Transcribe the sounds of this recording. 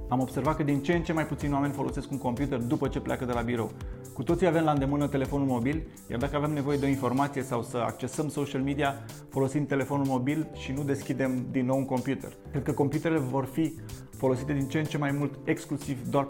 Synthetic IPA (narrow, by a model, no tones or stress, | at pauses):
amo̞bse̞rvat̪̚kəd̪int͡ʃeːnt͡ʃe̞majput̪sinwame̞nʲfo̞lʔo̞se̞skuŋko̞mpjut̪e̞rd̪upət͡ʃe̞plʲeʔa̰kəd̪e̞labiɾo̞̰w | kut̪o̞t̪sijave̞mlaɨnd̪e̞mɨnət̪e̞le̞fo̞nulmo̞bil | ja̰rd̪akəaveemne̞vo̞je̞d̪o̞info̞rmat̪sijesawsəa̰kt͡ʃe̞səmso̞ʃialmid̪ia | fo̞lo̞simt̪e̞le̞fo̞nulmo̞bilʃinud̪e̞skʲid̪e̞md̪inːo̞wuŋko̞mpjut̪e̞̰rkɾe̞d̪̚kəko̞mpjut̪e̞ɾele̞vo̞rfi | fo̞lo̞sit̪e̞d̪int͡ʃent͡ʃe̞majmult̪e̞ksklusivd̪oar